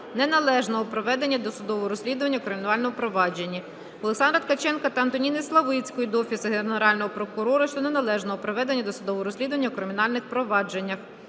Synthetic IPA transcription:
nɛnɐlˠɛʒnɔɦɔpɾɔʋɛd̪enʲːɐd̪ɔsʊd̪ɔʋɔɔɾɔsʲlʲid̪ʊʋɐnʲːɐukɾɪmʲinɑlʲnɔmʊpɾɔʋɑd͡ʒe̞nʲːi | ɔlˠeksɑnd̪ɾɐt̪kɐt͡ʃɛnkɐt̪ɐɐnt̪ɔnʲinɪslˠɐʋɪt͡sʲkɔjid̪ɔfʲisɪɦenneɾɑlʲnɔɦɔpɾɔkʊɾɔɾʊʃt͡ʃɔnenɐlˠɛʒnɔɦɔpɾɔʋɛd̪enʲːɐd̪ɔsʊd̪ɔʋɔɔɾɔsʲlʲid̪ʊʋɐnʲːɐukɾɪmʲinɑlʲnɪxpɾɔʋɑd͡ʒe̞nʲːɐx

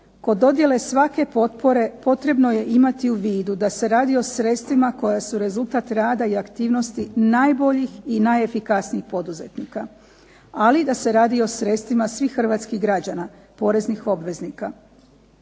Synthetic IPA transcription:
ko̞d̪o̞d̪je̞le̞sʋake̞po̞t̪po̞ɾe̞po̞t̪ɾe̞bno̞je̞ʔimat̪iuʋiːd̪ud̪ase̞ɾaːd̪io̞sɾe̞t̪st̪ʋimako̞jasuɾe̞zulˠt̪at̪ɾaːd̪aiakt̪iːʋno̞st̪inajbo̞ʎixinaje̞fikasniixpo̞d̪uze̞̰t̪niːka | alid̪ase̞ɾaːd̪io̞sɾe̞t̪st̪ʋimasʋixːr̩ʋaːt̪skiɣɡɾad͡ʑana | po̞ɾe̞znixo̞bʋe̞znika

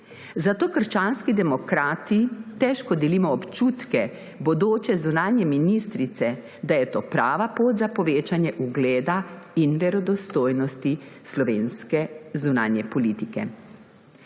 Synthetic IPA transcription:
zat̪oːkəɾʃt͡ʃanskid̪ɛmɔkɾaːt̪it̪ɛʃkɔd̪ɛliːmɔːpt͡ʃuːt̪kɛ | bɔd̪oːt͡ʃɛzunaːnjɛminist̪ɾit̪sɛ | d̪ajɛt̪oːpɾaːʋapoːt̪zapɔʋeːt͡ʃanjɛʔuɡleːd̪ainʋɛɾɔd̪ɔst̪oːjnɔst̪islɔʋeːnskɛzuna̰njɛpɔlit̪ikɛ̰

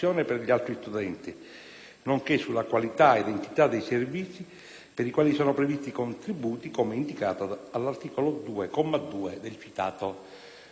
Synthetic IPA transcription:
jɔːnɛpɛɾʎialt̪ɾist̪ud̪ɛnt̪i | noŋkesːulːakwalit̪aed̪ent̪it̪ad̪ːejservit̪sːi | peɾikwaːlisɔːnopɾɛvist̪ikont̪ɾibuːt̪ikɔmeind̪ikaːt̪oalːart̪iːkolod̪uːekɔmːad̪uːed̪elfit̪aːt̪o

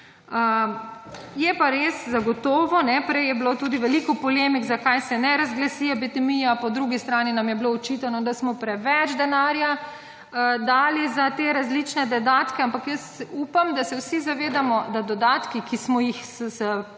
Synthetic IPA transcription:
ə | jɛpaɾeszaɡɔt̪ɔːʋɔnɛpɾɛjɛblot̪uːd̪iʋɛlikɔpɔleːmiɡzakajsɛnɛɾazɡlasiabit̪ɛmijapɔd̪ɾuɡist̪ɾaːninamjɛbloɔt͡ʃit̪anɔd̪asmɔpɾɛʋɛd͡ʒd̪ɛnaːɾja | d̪aːlizat̪eɾazlit͡ʃnɛd̪ɔd̪aːt̪kɛampakjəst̪uːpamd̪asɛwsizaʋeːd̪amɔd̪ad̪ɔd̪aːt̪kikismɔjixssə

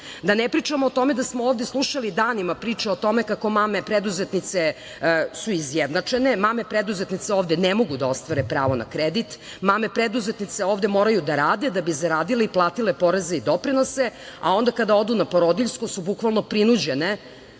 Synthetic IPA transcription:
d̪anɛpɾit͡ʂamoːt̪o̞me̞d̪asmooːvd̪eslˠuʃalid̪aːnimapɾiːt͡ʂɛot̪o̞mekako̞maːmepɾed̪uzet̪nit̪se | suizjed̪nat͡ʂenemaːmepɾed̪uzet̪nit̪seoːʋd̪enɛmo̞ɡud̪ao̞st̪ʋaɾepɾa̰ːʋona̰kɾed̪it̪ | mame̞pɾed̪uzet̪nit̪seoːvd̪emo̞ːɾajud̪aɾaːd̪ed̪abizaɾaːd̪ileiplˠaːt̪ilepo̞ɾezeid̪o̞pɾino̞sea̰o̞nd̪akad̪ao̞d̪unapoɾod̪iʎskosubukʋalˠno̞pɾinud͡ʑene

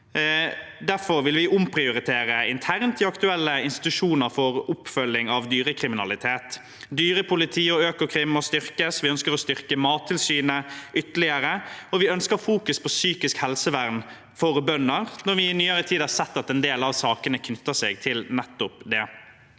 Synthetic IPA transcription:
d̪æɾfɔɾʋɪlʋɪʔʊmpʰɾɪʊɾɪt̪ʰeːɾəɪnt̪ʰæɾnt̪ʰɪɑkt̪ʉɛlːəɪnst̪ɪ̥t̪ʉʂuːnəɾfɔʁʊpfœlːɪŋɑʋd̪yːɾəkʰɾɪmɪnɑ̰lɪt̪ʰeːt̪ | d̪yːɾəpʰʊlɪt̪ʰiːɔøːkəkʰɾɪmːɔst̪ʏɾkəsʋɪœnskəɾɔst̪ʏɾkəmɑːt̪ʰːɪlsyːnəʏt̪əlɪəɾəɔʋɪœnskəɾfuːkʉspʰɔsyːkɪskhɛlsəʋæʁn | fɔɾbœnːəʁnɔɾʋɪnyːəɾət̪ʰiːd̪ɑsɛt̪ːɑt̪ɛnd̪eːlɑʋsɑːkənəkʰnʉt̪ːəseːɡt̪ʰɪlnɛt̪ːʊpd̪ɛ

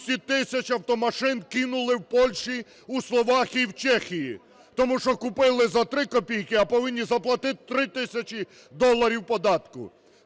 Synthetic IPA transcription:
sʲit̪ɪsʲɐt͡ʃɐwt̪ɔmɐʃɪnkɪnʊlˠɪwpɔlʲʃi | uslˠɔʋɑxʲiwt͡ʃɛxʲiji | t̪ɔmuʃt͡ʃɔkʊpɪlˠɪzɐt̪ɾɪkɔpʲijkɪɐpɔʋɪnʲːizɐplˠɐt̪ɪt̪ɪ̥t̪ɾɪt̪ɪsʲɐt͡ʃi | d̪ɔlˠːɐɾʲiwpɔd̪ɑt̪kʊ̰

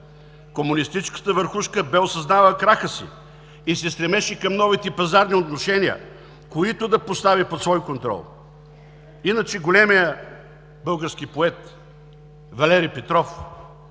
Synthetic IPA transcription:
komunist̪it͡ʃskə̥t̪əvəɾxuʃkəbɛosɐznavəkɾaxəsḭ | isɛst̪ɾɛmɛʃɛkɐmnɔvit̪ɛpɐzaɾniot̪noʃɛniə̰ | koit̪ʊd̪ɐpost̪avipot̪svɔjkont̪ɾɔ̰lˠ | inət͡ʃɛɡolɛmijə | bɤlˠɡəɾsk̟ipoɛt̪ | vɐlɛɾipɛt̪ɾɔf

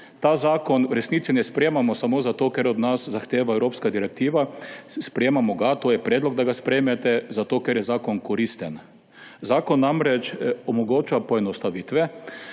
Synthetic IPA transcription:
t̪aːzaːkɔnɾɛsnit̪sinɛspɾjeːmamɔsamoːzat̪oːkɛɾɔd̪naszaxt̪eːʋaɛwɾoːpskad̪iɾɛk̚t̪iːʋaspɾɛjeːmamɔɡat̪oːjɛpɾɛːd̪lɔɡ̚d̪aɡaspɾɛjmɛt̪ɛzat̪oːkɛɾjɛzaːkɔnkɔɾist̪ɛn | zaːkɔnːamɾɛt͡ʃɔmɔɡoːt͡ʃapɔɛnɔst̪aʋiːt̪ʋɛ

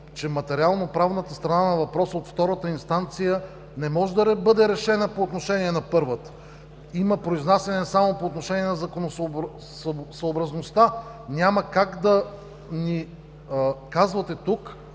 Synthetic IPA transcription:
t͡ʃɛmɐt̪ɛɾialˠnopɾavnət̪əst̪ɾɐnanɐvɐpɾɔsəot̪ft̪ɔɾət̪əinst̪ant̪sijə | nɛmɔʒɛd̪ɐɾɛbɤd̪ɛɾɛʃɛnəpoːt̪noʃɛnʲiɛnɐpɤɾvət̪ | iməpɾoiznasʲɛnɛsamopoːt̪noʃɛniɛnɐzɐkonos | səobɾɐznost̪a | nʲaməkaɡd̪ɐ | ni | kazvɐt̪ɛt̪uk

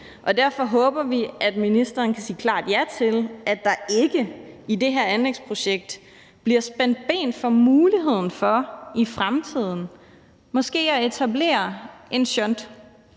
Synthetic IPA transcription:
ʔɒ̽d̥æɐfɒ̽ɦɔ̽ːb̥ɐʋiʔæd̥minisd̥ɐːnkʰæsḭːkʰlɑ̰̈ːd̥jæt͡sʰe̝lʔæd̥ːɑ̈e̝ɡ̥əide̝ɦeɐ̰ænleɡ̥spʰʁo̝ɕeɡ̥̚d̥ | b̥liɐsb̥en̰d̥̚b̥ḛːn̥fɒ̽muːliɦe̝ð̰ˠn̩fɒ̽ifʁamt͡sʰið̞̰ˠn̩ | mɒ̽sɡ̥e̝̰ːæe̝t͡sʰæble̝̰ːɐʔe̝nɕœnd̥

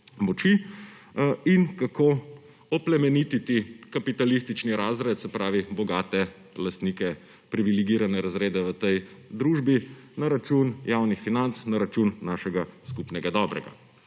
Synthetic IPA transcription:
mɔt͡ʃi | inkako | ɔplɛmɛnit̪it̪ikapit̪alist̪it͡ʃniɾaːzɾɛt̪sɛpɾaːʋibɔɡaːt̪ɛ | last̪niːkɛ | pɾiʋiliɡiːɾanɛɾazɾeːd̪ɛʋət̪ɛjd̪ɾuːʒbinaɾat͡ʃunjaːwnixfinant̪snaɾat͡ʃunːaːʃɛɡaskupnɛɡad̪ɔbɾɛ̰ɡa̰

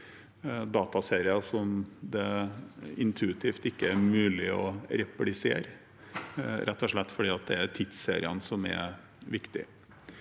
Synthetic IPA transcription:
d̪ɑːt̪ɑseːɾɪɑsɔmd̪ɛ | ɪnt̪ʰʉɪt̪ʰiːft̪ɪkːəæɾmʉːlɪɔ̰ɾɛplɪsḛːɾ | ɾʔɛt̪ːɔʂɭɛt̪ːfɔɖiːɑt̪̚d̪ɛæɾt̪ʰɪt̪sḛːɾɪənsɔmɛ̰ | ʋɪkt̪ɪ̰

